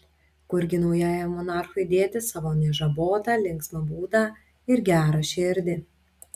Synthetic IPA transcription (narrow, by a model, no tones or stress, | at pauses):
kʊɾʲɡʲɪnɔʊjæːjɛmɔnɑˑɾxʊɪd̪ʲeːt̪ʲɪsɑʋoːnʲɛʒɐboːt̪ɑlʲɪŋksnɐbuːd̪ɑː | ɪɾɡʲæːɾɐʃʲɪɾʲd̪ʲɪ